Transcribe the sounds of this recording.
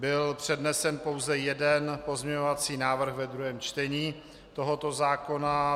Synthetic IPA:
bɪlpr̝̥ɛdnɛsɛnpo̞wzɛjɛdɛnpo̞zɲɛɲovat͡siːnaːvr̩ɣvɛd̪ɾuɦɛːmt͡ʃt̪ɛɲiː | t̪o̞ɦo̞t̪o̞zaːko̞na

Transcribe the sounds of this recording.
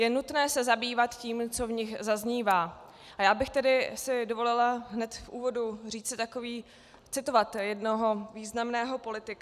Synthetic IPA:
jɛnut̪nɛːsɛzabiːvat̪ciːmt͡so̞vɲɪxzazɲiːvaː | ʔajaːbɪxt̪ɛdɪsɪdovo̞lɪlaɦnɛt̪fʔuːvo̞dur̝iːt͡sɪt̪ako̞viː | t͡sɪt̪o̞vat̪jɛdno̞ɦo̞viːznamnɛːɦo̞po̞lɪt̪ɪka

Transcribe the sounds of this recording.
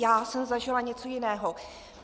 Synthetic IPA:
jaːsɛmzaʒɪlaɲɛt͡so̞jɪnɛːɦo

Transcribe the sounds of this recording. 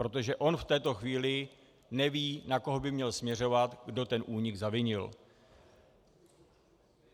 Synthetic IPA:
pɾo̞t̪o̞ʒɛʔo̞nft̪ɛːt̪o̞xviːlɪ | nɛviːnako̞ɦo̞bɪmɲɛlsmɲɛr̝o̞vat̪ɡdo̞t̪ɛnʔuːɲɪɡzavɪɲɪl

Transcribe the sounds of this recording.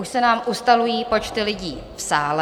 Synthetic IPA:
uʃsɛnaːmʔust̪alujiːpo̞t͡ʃt̪ɪlɪɟiː | fsaːlɛ

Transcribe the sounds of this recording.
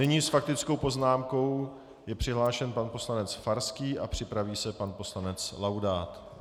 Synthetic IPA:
ɪɲiːsfak̚t̪ɪt͡sko̞wpo̞znaːmko̞w | jɛpr̝̥ɪɦlaːʃɛnpanpo̞slanɛt͡sfaɾskiːʔapr̥ɪpɾaviːsɛpanpo̞slanɛt͡slawdaːt̪

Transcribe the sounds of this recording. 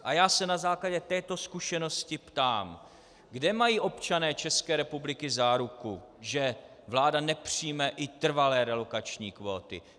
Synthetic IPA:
ʔajaːsɛnazaːklaɟɛt̪ɛːt̪o̞skuʃɛno̞scɪpt̪aːm | ɡdɛmajiːʔo̞pt͡ʃanɛːt͡ʃɛskɛːɾɛpublɪkɪzaːɾukuʒɛ | vlaːdanɛpr̝̥ijmɛʔɪt̪r̩valɛːɾɛlo̞kat͡ʃɲiːkvo̞ːt̪ɪ̰

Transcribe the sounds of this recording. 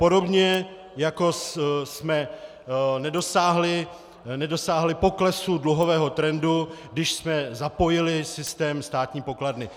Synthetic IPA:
po̞do̞bɲɛ | jako̞ssmɛ | nɛdo̞saːɦlɪ | nɛdo̞saːɦlɪpo̞klɛsudluɦo̞vɛːɦo̞t̪ɾɛnduɡdɪʃsmɛzapo̞jɪlɪsɪst̪ɛːmst̪aːt̪ɲiːpo̞kladnɪ

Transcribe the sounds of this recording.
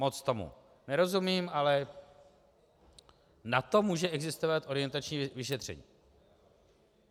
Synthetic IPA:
mot͡st̪o̞mṵ | nɛɾo̞zumiːmalɛ | nat̪o̞muːʒɛɛɡzɪst̪o̞vat̪ʔo̞ɾɪjɛnt̪at͡ʃɲiːvɪʃɛt̪r̝̥ɛ̰ɲiː

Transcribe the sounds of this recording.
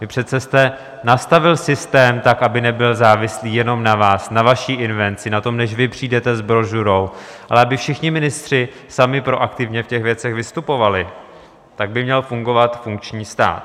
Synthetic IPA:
vɪpr̥ɛt̪sɛst̪ɛ | nast̪avɪlsɪst̪ɛːmt̪akʔabɪnɛbɪlzaːvɪsliːjɛno̞mnavaːsnavaʃiːʔɪnvɛnt͡sɪnat̪o̞mnɛʃvɪpr̝̥iːdɛt̪ɛzbɾo̞ʒuɾowʔalɛabɪfʃɪxɲɪmɪnɪst̪r̝̥ɪ | samɪpɾo̞ʔakt̪ɪvɲɛfcɛxvjɛt͡sɛɣvɪst̪upo̞valɪ | t̪aɡ̚bɪmɲɛlfuŋɡo̞vat̪fuŋkt͡ʃɲiːst̪a̰ːt̪

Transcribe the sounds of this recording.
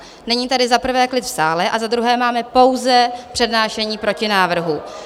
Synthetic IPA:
nɛɲiːt̪adɪzapr̩vɛːklɪt̪fsaːlɛʔazad̪ɾuɦɛːmaːmɛpo̞wzɛpr̥ɛdnaːʃɛɲiːpɾo̞cɪnaːvr̩ɦu

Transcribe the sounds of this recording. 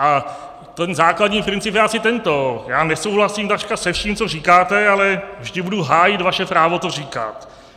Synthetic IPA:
ʔa | t̪ɛnzaːkladɲiːpɾɪnt͡sɪpjɛʔasɪt̪ɛnt̪ojaːnɛso̞wɦlasimt̪at͡ʃkasɛfʃiːmt͡so̞riːkaːt̪ɛalɛvʒdɪbuduɦaːjɪt̪vaʃɛpɾaːvot̪oriːka̰t̪

